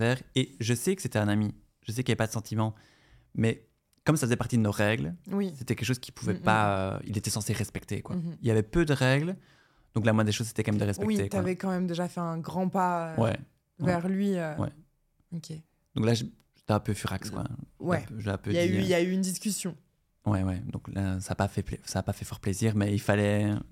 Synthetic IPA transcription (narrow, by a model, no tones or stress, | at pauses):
ɛːʁeʒəsɛkə̥set̪ɛɛ̃nami | ʒ̥əs̬ɛkiljavɛpad̪əsɑ̃t̪ʰimɑ̃ | mɛ | kɔmsafəzɛpaʁt̪id̪ənoʁɛɡlwiset̪ɛkɛlkʃ̬ozkʲi̥puvɛpaø̰ḭlet̪ɛsɑ̃seʁɛspɛkt̪ḛkwa̰iljavɛpød̪əʁɛɡl | d̪̥ɔ̃klamwɛ̃d̪eʃozse̥t̪ɛkɑ̃mɛmd̪əʁɛspɛw̚it̪ek̪avɛkɑ̃mɛmd̪eʒafɛɛ̃ɡʁɑ̃paøwɛ̰ | wvɛʁlɥiøwɛ̰ | okʲʰe | d̪̥ɔ̃klaʒ | ʒ̥e̥t̪ɛãpøfyʁakskwã̰wɛpøʒãpøayiljayynd̪iskʲysjɔ̃ | wɛwɛd̪ɔ̰̃klasaːpafɛplɛsaːpafɛfɔʁpleziːʁmɛilfalɛ